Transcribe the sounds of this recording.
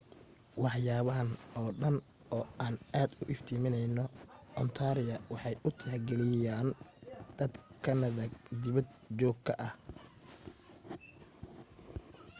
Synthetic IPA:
wɑħjaːβɐɦɐnɔːɖɐn | ɔːaːnaːd̪ʊʔɪft̪ʰiːmɪnɛjnɔɔnt̪ʰaːɾɪjɐwɑħɑjʊt̪ʰɪħɡɛlɪjjaːnd̪̥ɐd̪kʰɐnɐðɐd̪ɪβɐd̪ | t͡ʃɔːɡkʰɐʔɐh

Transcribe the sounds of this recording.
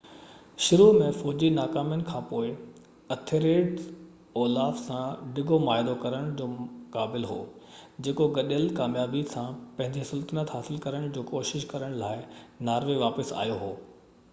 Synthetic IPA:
ʃʊɾumẽfɔːd͡ʑinaːkaːmjənɪ̆kʰãːpoːɪ | ɐt̪ʰeɾeːɖ | ɔːlaːfsãɖɪɡʱomaːɦɪd̪okɐɾəɽ̃d͡ʑoːʊkaːbɪlɦo̰ːd͡ʑeːkoɡɐɗəlkaːmjaːbisãpɐ̃ɦɪ̃ɲd͡ʑesʊlt̪ənət̪ɦaːsɪlkɐɾəɽ̃d͡ʑoːkoːʃɪʃkɐɾəɽ̃laːɪnaːɾʋeʋaːpəsa̰ːjoɦoː

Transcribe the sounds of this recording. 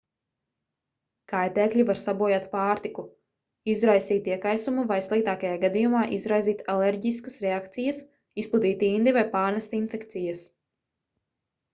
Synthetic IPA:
kajt̪ɛːklʲivaɾsabuɔjat̪paːɾt̪iku | izɾajsiːt̪iɛkajsumuvajslˠik̚t̪aːkajaːɡad̪ijumaːʔizɾajziːt̪aleɾɟiskɐsɾeakt̪sijɐs | isplˠud̪iːt̪ind̪ivajpaːɾnɛst̪infɛkt̪sijɐs

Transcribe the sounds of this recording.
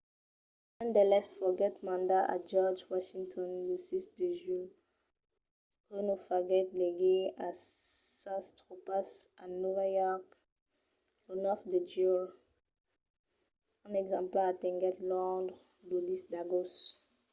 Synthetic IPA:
nãnd̪əlɛsfɔɡɛtmãndaʔa̰t̚d͡ʒɔd͡ʒwaʃĩŋtʰɔ̃nlusisdəʒwil | ʁɛnofaɡɛtleɡeasãstʁopasanuvajɔk | ɔnɔfdəd͡ʒuɹ | ãnɛɡzãmplatɛ̃ŋɡɛtlɔ̃dʁ | lodisdaɡos

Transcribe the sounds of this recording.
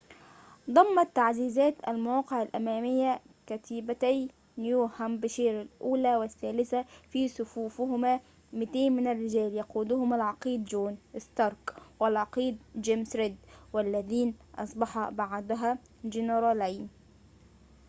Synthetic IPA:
d̪ˤɑmːɑt̪ːaʕziːzæːt̪a̰lmʊwɑːqɪʕalʔa̰mæːmɪjːa | kat̪ɪbat̪aj | njuːhambɪʃeːɾɪlʔuːlaːwɪθːæːlɪθafiːsʊfuːfʊhʊmaː | mɪt̪eːnmɪnarːɪd͡ʒæːljɑquːd̪ʊhʊmalʕɑqiːd̪d͡ʒuːnʔɪst̪ɑɾˤkwɪlʕɑqiːd̪̚d͡ʒeːmsɾɪd̪walːæðiːnʔɑ̰sˤbɑħɑbaʕd̪ʊɦaː | d͡ʒɪnɾˤɑːlajn

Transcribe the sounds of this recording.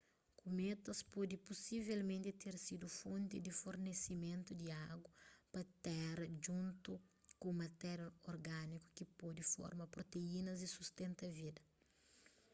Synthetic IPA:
kumet̪ɐspɔd̪iposivelmẽnt̪it̪eɾsid̪ufõnt̪id̪ifoɾnesimẽnt̪ud̪iaɡwɐpɐt̪ɛɾɐd͡ʒũnt̪ukõmɐt̪ɛɾɐoɾɡaniku̥kipɔd̪ifɔ̰ɾmɐpɾot̪einɐzd̪isust̪ẽnt̪ɐvid̪ɐ

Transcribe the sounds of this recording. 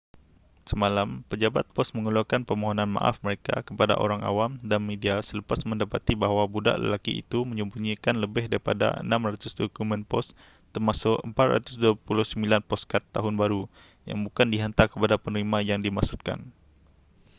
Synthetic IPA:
səmalampəd͡ʒabat̪̚pɔsməŋulakanpəmoɦonãnmã̰ʔa̰fməɾeka̰kəpada̰ʔo̰ɾaŋa̰wamdanmediasələpasmə̃ndapat̪ibaɦwabuda̰ʔlə̰lakḭḭt̪uməɲəmbuɲikanləbɪhdaɾipada̰ə̰nãmrat̪ʊsdokumə̃npɔ̰s | t̪ərmasʊkəmpat̪̚ra̰t̪ʊsduapulʊhsəmbilanpɔskat̪ːaɦʊnbaɾu | ja̰ŋbukandiɦant̪akəpadapənəɾimãjaŋdimasut̪̚ka̰n

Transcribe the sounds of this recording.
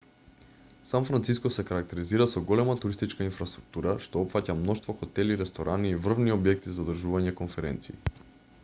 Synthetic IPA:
sanfɾant̪siskɔsɛkaɾak̚t̪ɛɾiziɾasɔɡɔlɛmat̪uɾist̪it͡ʃkainfɾast̪ɾuk̚t̪uɾaʃt̪oɔpfacamnɔʃt̪voxot̪ɛliɾɛst̪oɾʔaniːvr̩vniobjɛk̚t̪izad̪r̩ʒuvaɲɛkonfɛɾɛ̰nt̪sḭː

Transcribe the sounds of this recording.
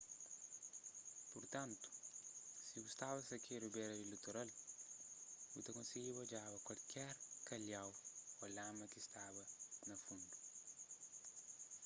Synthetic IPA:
puɾt̪ɐ̃nt̪u̥siɡust̪abɐsɐkʰeɾubɛɾɐilut̪uɾal | ut̪ɐkõnsiɡibɐd͡ʒabɐkwɐlkɛɾkɐlawɐlamɐkist̪abɐnɐfũnd̪u

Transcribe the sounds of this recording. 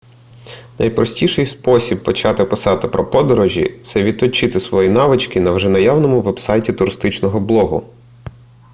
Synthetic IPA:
nʔɐ̰jpɾɔsʲtʲiʃɛjspɔsʲibpːɔt͡ʃɑt̪ɪpɪsɑt̪ɪpɾɔpɔd̪ɔɾɔʒʲḭt̪sɛʋʲid̪̚t̪ɔt͡ʃɪt̪ɪsʋɔjinɑʋɪt͡ʃkɪnɐwʒɛnɐjɑwnɔmʊʋɛbsɑjtʲit̪ʊɾɪst̪ɪt͡ʃnɔɦɔblˠɔɦʊ̰

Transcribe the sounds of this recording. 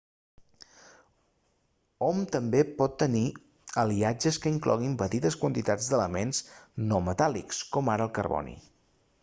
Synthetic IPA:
ɔmt̪əmbepɔt̪ːəni | əliad͡ʒəskəiŋklɔ̰ɣimbət̪it̪əskwənt̪it̪ad͡zd̪ələmensnɔmət̪alḭkskɔmaɾəːlˠkəɾβɔ̰nḭ

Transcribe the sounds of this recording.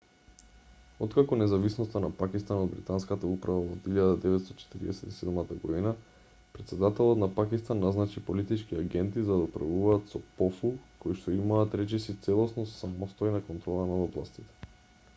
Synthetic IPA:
ot̪kakɔnɛzavisnost̪anapakist̪anod̪̚bɾit̪anskat̪aupɾavaod̪iʎad̪ad̪ɛvɛt̪st̪o̥t͡ʃɛ̥t̪iɾḭɛ̰sɛt̪i̥sɛd̪mat̪aɡod̪ina | pɾɛt̪sɛd̪at̪ɛlˠot̪napakist̪anːaznat͡ʃipolit̪it͡ʃkiaɡɛnt̪izad̪aupɾa̰vuvaːt̪sɔpɔfukojʃt̪oimaːt̪ɾɛt͡ʃisit̪sɛlˠosnosamost̪ojnakont̪ɾɔlˠanaoblˠast̪it̪ɛ̥

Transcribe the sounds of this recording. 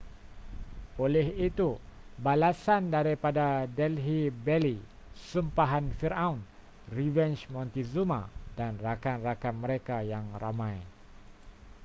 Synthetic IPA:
olɛhit̪ubalasandaɾipadadɛlɦibɛli | sumpaɦanfiɾaun | rivɛnt͡ʃmɔnt̪izumadanrakanrakammːəɾekajaŋramãj

